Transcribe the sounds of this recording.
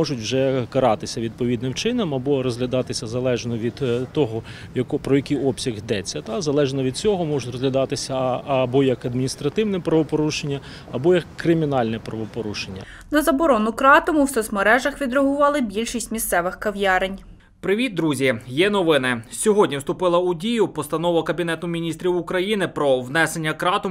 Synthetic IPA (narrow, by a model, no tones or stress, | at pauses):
ɔʒʊtʲwʒɛkɐɾɑt̪ɪsʲɐʋʲid̪̚pɔʋʲid̪nɪmt͡ʃɪnɐmɐbɔɾɔzɦlʲɐd̪ɑt̪ɪsʲɐzɐlˠɛʒnɔʋʲid̪̥t̪ɔɦɔ | jɐkɔpɾɔjɐkijɔpsʲɐɣɦd̪ɛt͡sʲːɐt̪ɑzɐlˠɛʒnɔʋʲid̪̚t͡sʲɔɦɔmɔʒʊtʲrɔzlʲɐd̪ɑt̪ɪsʲɐɐbɔjɐkɐd̪mʲinʲist̪ɾɐt̪ɪwnɛpɾɐʋɔpɔɾuʃenʲːɐ | ɐbɔjɐkːɾɪmʲinɑlʲnɛpɾɐʋɔpɔɾuʃenʲːɐ̰ | nɐzɐbɔɾɔnʊkɾɑt̪ɔmʊwsɛzmɐɾɛʒɐxʋʲid̪ɾɐɦʊʋɑlˠɪbʲilʲʃisʲtʲmʲist̪sɛʋɪxkɐʋjɑɾenʲ | pɾɪʋʲid̪̚d̪ɾuzʲijɛnɔʋɪnɪsʲɔɦɔdʲnʲiwst̪ʊpɪlˠɐʊdʲijʊpɔst̪ɐn̪ɔʋɐkɐbʲinɛt̪ʊmʲinʲist̪ɾʲiwʊkɾɐjinɪpɾɔʋnɛsenʲːɐkɾɑt̪ɔ